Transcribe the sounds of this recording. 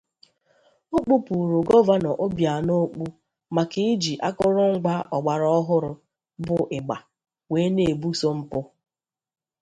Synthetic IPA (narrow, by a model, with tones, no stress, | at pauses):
o˦k͡pu˦pu˨ɾu˨ɡɔ˦va˦nɔ˨ʔo˦bja˨no˦k͡pu˦ | ma˨kɪ˦d͡ʒi˨ʔa˦kʊ˦ɾʊ˦ŋ̩˦ɡ͡ba˦ʔɔ˨ɡ͡ba˨ɾɔ˦ɦʊ˦ɾʊ˦ | bʊ˨ʔɪ˨ɡ͡ba̰˨ | weː˨˦ne˨bu˦so˦m̩˦pʊ˦